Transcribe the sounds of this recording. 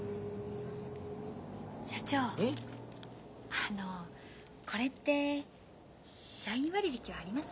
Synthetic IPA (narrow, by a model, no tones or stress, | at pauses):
ɕat͡ɕoː | ano̞ | kʰo̞ɾe̞t̪ːe̞ | ɕaĩɰ̃βaɾʲibekʲiβaːɾʲimasɨ̥